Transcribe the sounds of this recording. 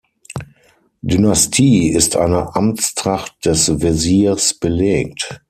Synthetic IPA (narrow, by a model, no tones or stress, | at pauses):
dynastʰiːɪstʰʔa̰ɪnəʔamt͡stʁ̥aχt̚d̥ɛsveziːɐsb̥əleːk̚t